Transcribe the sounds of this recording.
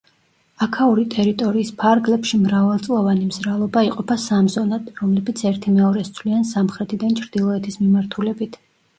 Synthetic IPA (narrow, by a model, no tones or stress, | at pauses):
akʰaɔɾit̪ʼɛɾit̪ʼɔɾiːspʰaɾɡlɛpʃimɾavalˠt̪sʼlˠɔvanimzɾalˠɔbaiqʼɔpʰasamzɔnad̪̥ɾɔmlɛbit̪sʰɛɾt̪ʰimɛɔɾɛst̪sʰvliansamχɾɛt̪ʰid̪ant͡ʃʰɾd̪̥ilˠɔɛt̪ʰismimaɾt̪ʰulɛbit̪ʰ